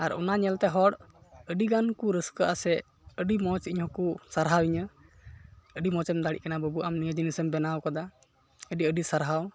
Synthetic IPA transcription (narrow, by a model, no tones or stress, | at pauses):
aɾɔ̰naɲɛlt̪ɛɦɔɽəɖiɡankuɾəskəʔasɛ | əɖimɔt͡ʃiɲɦɔkusaɾɦawiɲə | əɖimɔt͡ʃɛmd̪aɽḭʔ̚kanabəbuʔamnijəd͡ʒinisəmbɛnawkad̪a | əɖiəɖisaɾɦaw